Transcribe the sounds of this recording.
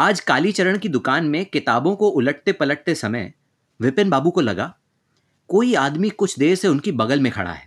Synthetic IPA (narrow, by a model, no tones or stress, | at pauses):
aːd͡ʒkaːlit͡ʃɐɾəɽ̃kid̪ʊkaːnmẽkɪt̪aːbõkoʔʊləʈ̚t̪epɐləʈ̚t̪esɐməɪ | ʋɪpɪnbaːbukolɐ̰ɡa̰ː | koːiaːd̪mikʊt͡ʃʰd̪eːseʊnkibɐɡəlmẽkʰɐ̰ɽ̤a̰ɦɛ̰ː